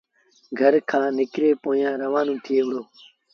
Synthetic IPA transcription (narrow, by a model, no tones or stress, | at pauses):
ɡʱəɾkʰãːnɪkɾeːpoːjãːɾəʋãːnũːt̪ʰɪeːʋʊɽoː